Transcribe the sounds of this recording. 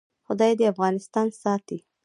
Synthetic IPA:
xʊd̪ɑjed̪əafɣɑnɪst̪ɑnsɑːt̪i

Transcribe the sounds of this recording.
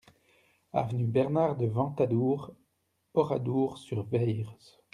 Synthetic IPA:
a̰vənybɛʁnaʁd̪əvɑ̃t̪ad̪uʁ | ɔʁad̪uːʁsyʁvɛjʁz

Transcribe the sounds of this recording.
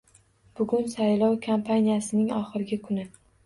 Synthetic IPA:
b̥ʊɡʲʊnsajlɒwkʰampʰanʲijasɪnɪŋɒχɨɾɪɡʲɪkʰʊnɪ

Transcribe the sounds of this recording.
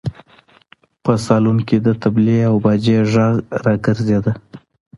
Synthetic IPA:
pəsɑlumked̪ət̪ableawbɑd͡ʒeʒaɣɾɑɡəɾzed̪ə

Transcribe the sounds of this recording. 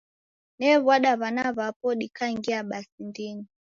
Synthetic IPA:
nɛβwaɗaβanaβapɔɗikaiŋɡiaɓasindini

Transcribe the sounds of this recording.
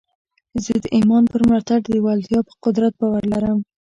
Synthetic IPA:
zəd̪əʔimɑnpəɾmlɑt̪aɖd̪əwald̪jɑpə̥qʊd̪ɾat̪̚bɑwaɾlaɾəm

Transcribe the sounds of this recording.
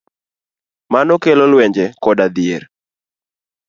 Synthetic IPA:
manɔkelɔlwɛɲd͡ʒɛkɔdad̪ɪeɾ

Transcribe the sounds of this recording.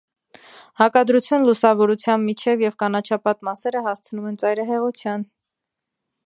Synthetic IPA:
hɑkɑd̪ɾut͡sʰjunlusɑvɔɾut͡sʰjɑmbmit͡ʃʰɛvjɛvkɑnɑt͡ʃʰɑpɑt̪mɑsɛɾəɦɑst͡sʰənumɛnt͡sɑjɾɑɦɛʁut͡sʰjɑn

